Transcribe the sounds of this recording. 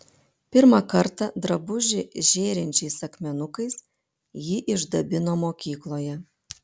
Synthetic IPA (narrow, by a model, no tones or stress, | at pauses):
pʲɪɾmɐkɐɾt̪ɐd̪ɾɐbʊʒʲɪʒʲeːɾʲɪnʲt͡ʃʲɛɪsɐkmʲɛnʊkɐɪs | jiːʔɪʒd̪ɐbʲɪnoːmoːkʲiːklˠoːjɛ